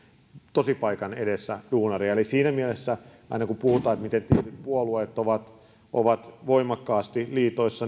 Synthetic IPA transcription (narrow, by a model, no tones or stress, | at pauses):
t̪osipɑikɑnedesːæd̥uːnɑriɑelisiːnæmielesːæ | ɑ̰inɑkupuhut̪ɑːet̪mit̪ent̪ielyt̪̚puoluet̪ːoʋɑt̪ | ʔo̰ʋɑt̪ʋoimɑkːɑːst̪iliːt̪oisːɑ